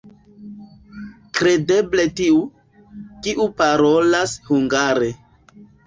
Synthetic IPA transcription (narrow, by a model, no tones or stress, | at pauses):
kɾe̞de̞bletiu | kiʔupaɾolashuŋɡaɾe